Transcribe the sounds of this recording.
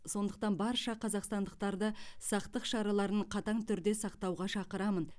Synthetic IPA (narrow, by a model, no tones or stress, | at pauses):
so̞nd̪əq̚t̪ɑnbɑɾʃɑqʰɑzɑqst̪ɑnd̪əq̚t̪ɑɾd̪əsɑqt̪əqʃɑɾɑlˠɑɾəɴqʰɑt̪ɑɴt̪ʰʏɾd̪e̞sɑqt̪ɑwʁɑʃɑqəɾɑmən